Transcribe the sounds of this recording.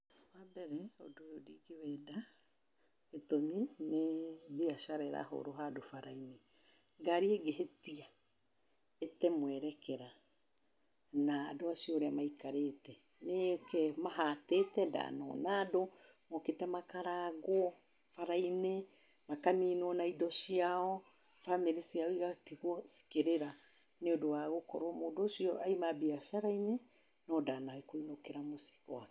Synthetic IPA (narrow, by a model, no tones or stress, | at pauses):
wabɛɾɛo̰dojodiɡewɛda | etomineβiaʃaɾɛɾa̰ɦo̰ɾoɦadofaɾaine | ŋɡaɾieɡeɦetia | etɛmwɛɾɛkɛɾa | naːdoasiɔːɾeamaikaɾetɛ | nekɛmaɦatetɛda̰nɔ̰naːdo | mɔketɛmakaɾaɣo | faɾaine | makaniːnɔnaidɔsiaɔ | fameɾesiaoiɣatiɣwɔsi̥keɾeɾa | neodowaɣokɔ̰ɾwɔmodosiɔaimabiasaɾaine | nɔdaːnaekoinokeɾamosi̥ɣɔ̰a